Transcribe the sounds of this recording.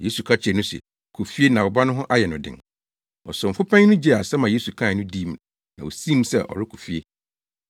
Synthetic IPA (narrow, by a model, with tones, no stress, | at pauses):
je˦su˨kʰa˦t͡ɕʰɪ˨nʊ̃˦sɛ̰˨ | kʰu˨fi˦e˦nã˨wɔ˨ba˦nʊ̃˦ɦʊ̃˦ʔa˦jɛ˨nʊ̃˨dɪ̰̃˨ŋ | ɔ̰˨sʊ˨m̩˨fʊ˦pʰɛ̃˦ŋnʊ̃˦d͡ʑi˦˨a˨sɛ˦mã˨je˦su˨kʰã˦˨nʊ̃˦di˦˨m | nã˨o˨sĩ˦m˦sɛ˦ʔɔ̰˨ɾɪ˦kʰu̥˨fi˦e˦